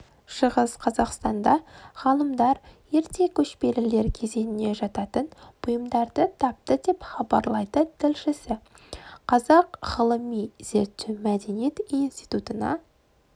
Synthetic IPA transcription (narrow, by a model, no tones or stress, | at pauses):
ʃəʁəsqʰɑzɑqst̪ɑnd̪ɑʁ̥ɑlˠəmd̪ɑɾje̞ɾt̪e̞kʲʰɵʃpe̞lɪle̞ɾkʲʰe̞ze̞nɪne̞ʒɑt̪ɑt̪ənb̥ʊjəmd̪ɑɾd̪ət̪ʰɑp̚t̪əd̪e̞pχɑbɑɾlˠɑjd̪ət̪ʰɪlʃɪsɪ | qʰɑzɑqʁəlˠəmijz̥e̞ɾt̪ʰːemæd̪e̞nije̞t̪inst̪ijt̪ut̪ənɑ̰